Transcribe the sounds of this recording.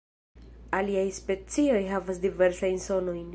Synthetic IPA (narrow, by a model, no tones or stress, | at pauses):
aliajspe̞t͡sio̞jɦavas̬dive̞ɾsajnso̞no̞jn